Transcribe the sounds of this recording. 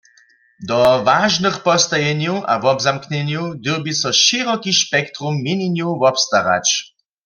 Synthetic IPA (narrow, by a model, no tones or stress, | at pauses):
d̪ɔʋaʒnɨxpɔst̪ajɛnuʔavɔbzamknɛnjud̪ewbisɔʃiʁɔkiʃpɛkt̪ʁumːiniɲjuvɔpst̪aʁa̰t͡ʃ